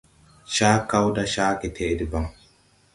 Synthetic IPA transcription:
ʃaː˦ka˦wda˦ʃaː˦kɛ˨t̪ʰeː˨˦dɪ˨ba˨ŋ

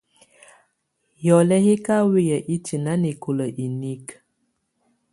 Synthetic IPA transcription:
jɔ˨lɛ˦hi˦ka˦wi˦jə˨ʔi˦tʰi˨na˦ne˨ko˨lə˨ʔi˨ni˦k

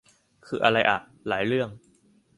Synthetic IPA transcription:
kʰɯː˧ʔa˧ɾa˧jʔa̰˨˩ | laː˩˦jɾɯ˥˩əŋ

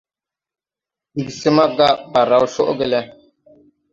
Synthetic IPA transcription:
i˨ɡsi˦ma˦ɡa˦ba˨ɾa˨wʃo˦ʔɡe˦lɛ˦

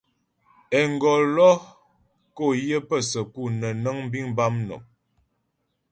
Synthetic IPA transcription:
ɛ˨ŋ˨ɡɔ˨lɔ˦ | ko˦˨jə˦pə˦˨sə˨ku˦˨nə˨nə˦ŋm˦bi˦ŋba˦mno̰˨m

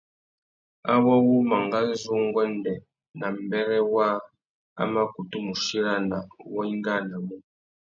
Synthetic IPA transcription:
a̰˦wa˦wu˦ma˨ŋɡa˦zu˦ŋ˦ɡɔ˦ndɛ˨ | na˨mbɛ˦ɾɛ˦wa˦ | a̰˦ma˦ku˨tu˦mu˨ʃi˦ɾa˦na˨wɔ˦i˦ŋ˦ɡa˦˨na˨mu˦

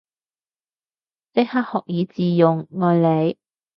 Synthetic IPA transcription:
tɪ˥k̚ha˥k̚hɔː˨k̚jiː˨˧t͡siː˨jʊ˨ŋːɔː˨˧jle˨˧j

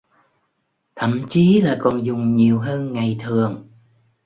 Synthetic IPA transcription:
t̪ʰə̰˧˩˨mt͡ɕi˨˦laː˨˩kɔ˨˩nzʊ˨˩ŋ͡mɲi˨˩əwɦəː˧nŋa˨˩jt̪ʰɨ˨˩əŋ

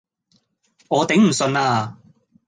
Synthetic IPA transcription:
ŋɔː˨˧t̪e˨˥ŋm̩˨˩sɵ˧naː˧

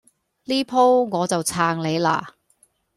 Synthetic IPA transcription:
liː˥pʰo˥wŋɔː˨˧t͡sɐ˨wt͡sʰaː˧ŋle˨˧jla̰ː˧˩

